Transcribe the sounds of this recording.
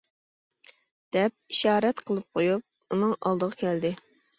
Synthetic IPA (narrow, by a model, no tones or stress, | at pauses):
d̪̥ɛp̚iʃɑːɾɛt̪qʰəlˠɨp̚qʰojup̚ | unɨŋɑlˠd̪əʁɑkʲʰɛld̪ɪ